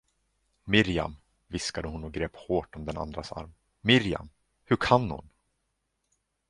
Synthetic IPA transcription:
mɪɾja̰m | vɪskad̪əhʊnɔɡɾeːphoːʈɔmd̪ɛna̰nd̪ɾasa̰ɾm | mːɪɾja̰m | hɵɾkʰanhʊ̰n

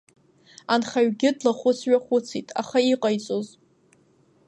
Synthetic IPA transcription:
anχaɥɡʲɪdlaχʷʊt͡sʰɥaχʷʊt͡sʰitʼa̰χaiqʼajt͡sʼoz

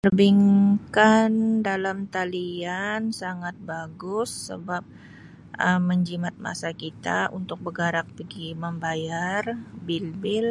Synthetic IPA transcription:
ərbiŋkandalamt̪aliansaŋat̪̚baɡʊsːə̰bap̚ | ʔəmːəɲd͡ʒimat̪̚ma̰sakit̪a̰ʔunt̪ʊk̚bəɡaɾak̚pəɡiməmbajarbilbɪl

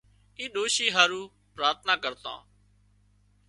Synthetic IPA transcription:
iːɗ̪oːʃiːɦaːɾuː | pɾaːɾt̪̚ʰnaːkəɾt̪ã̰ː

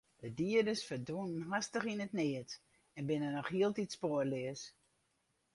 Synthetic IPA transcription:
dədiədəsfərdunənɦastəχinətnɪət | ɛnbɪnənɔχhiəlˠtitspoərlɪəs

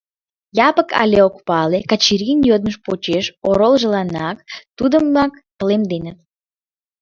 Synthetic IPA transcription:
jɑpəkɑ̰lʲeokpɑlekɑt͡ɕiɾinjød̪məʃpot͡ɕeʃoɾolˠʒəlɑnɑkt̪ud̪əmɑkt̪əlemd̪enət̪̚

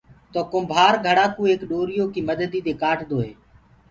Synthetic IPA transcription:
t̪oːkʊmbʱaːɾɡʱəɽaːkuːeːkɗoːɾɪjoːkiːməd̪əd̪iːt̪eːkaːʈd̪oːɦeː

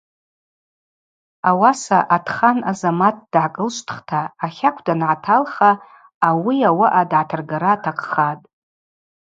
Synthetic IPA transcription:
awasaʔatʰχanazamat̚ʰd̥ʕakʼɨlʃʷʼtʰχtʰaːχʲakʷʰdanʕatʰalχaː | wiawaʔadʕatʰarɡaɾaːtʰaqʰʼχatʼ

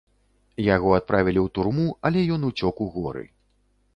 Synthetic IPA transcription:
jaɣɔat̪̚pɾavʲilʲiwt̪urmuɐlʲɛjɔnut͡sʲɔkuɣɔɾɨ̰

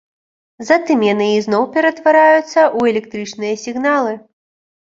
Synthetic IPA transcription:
zat̪ɨmjanɨiznɔwpʲɛɾɐt̪vaɾajut̪sːɐʔuɛlʲɛk̚t̪ɾɨt͡ʂnɨjɐsʲiɣnalˠɨ

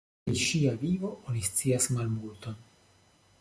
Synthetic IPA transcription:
iʃiavivo̞ʔonist͡siasmalmulto̞n

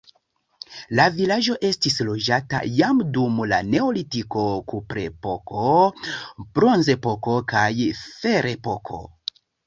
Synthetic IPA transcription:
lavilad͡ʒo̞ʔe̞stislo̞d͡ʒata̰jamdumla̰ne̞olitiko̞kupɾepokʰo̞ | b̥ɾo̞nze̞po̞ko̞kajfe̞ɾepo̞kʰo̞̰

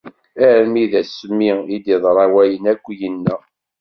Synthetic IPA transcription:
æɾmiðæsəmːiid̪iðˤɾˤɑwæjənækʷːjənːæ

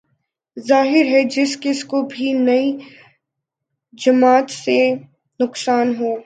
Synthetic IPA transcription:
zaːɦɪɾɦɛd͡ʒɪskɪskobʱinɐi | d͡ʒɐmaːt̪se | nʊqsaːnɦoː

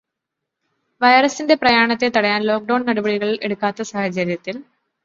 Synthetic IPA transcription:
ʋɐjɐrɐsinde̞prɐjaːɳɐt̪ːe̞t̪ɐɽɐjaːnlo̞ːk̚ɖɐwɳnɐɽubɐɽiɣɐɭeɽukːaːt̪ːɐsaːhɐt͡ɕɐɾjɐt̪ːil

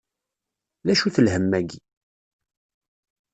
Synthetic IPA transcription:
ðæʃuθəlhəmːæɡi

